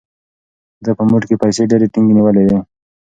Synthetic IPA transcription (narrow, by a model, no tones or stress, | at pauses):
d̪apəmuʈkepəjseɖeɾeʈɪŋɡiniwəled̪e